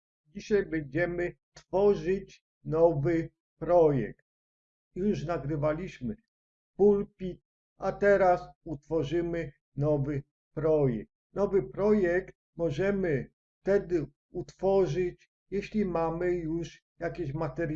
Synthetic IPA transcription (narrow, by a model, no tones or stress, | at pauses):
d͡ʑiɕajbɛɲd͡ʑɛmɘ | t̪fɔʐɘt͡ɕ | nɔvɘ | pɾɔjɛ̰kt̪̚ | juʂnaɡɾɘvalʲiɕmɘ | pulpʲit̪ | at̪ɛɾasut̪fɔʐɘmɘ | nɔvɘ | pɾɔjɛ̰k̚t̪nɔvɘpɾɔjɛkt̪̚ | mɔʐɛmɘ | ft̪ɛd̪ɘ | ut̪fɔʐɘt͡ɕ | jɛɕlʲimamɘjuʂ | jakʲeɕmat̪ɛɾ